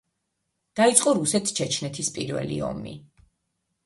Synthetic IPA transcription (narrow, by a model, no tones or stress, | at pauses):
d̪̥ait̪sʼqʼɔɾusɛt̪ʰt͡ʃʰɛt͡ʃʰnɛt̪ʰispʼiɾvɛ̰lḭɔ̰mḭ